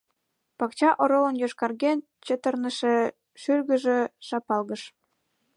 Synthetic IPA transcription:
pɑkt͡ɕɑʔoɾolə̆njøʃkɑrɣen | t͡ɕət̪ərnəʃĕ | ʃyrɣə̆ʒĕʃɑpɑlɣəʃ

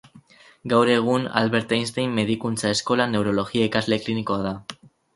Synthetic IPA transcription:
ɡawɾe̞ɣ̞una̰lβe̞ɾt̪ajnst̪ejmːe̞ðikunt͡sae̞sko̞lane̞wɾo̞lo̞ɣiaikazle̞kliniko̞aða

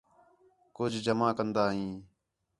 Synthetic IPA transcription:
kʊd͡ʒʱd͡ʒəmãːkənd̪aːɦĩː

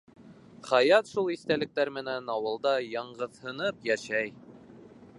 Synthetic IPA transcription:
χæjɑt̪ʃulˠiθt̪ælɘ̆k̚t̪æɾmɘ̆nænɑwɤ̆lˠd̪ɑjɑɴɢɤ̆ðhɤ̆nɤpjæʃæj

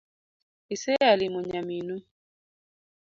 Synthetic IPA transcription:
isejalimɔɲaminu

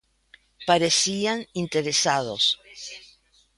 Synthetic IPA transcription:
paɾesianint̪eɾesaðos

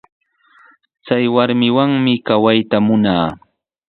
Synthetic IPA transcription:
t͡sajwaɾmɪwaŋmɪkawajt̪amʊnaː

